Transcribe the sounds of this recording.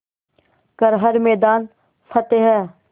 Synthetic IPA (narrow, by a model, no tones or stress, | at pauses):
kəɾɦəɾmɛːd̪aːn | fʰɐt̪eɦɛː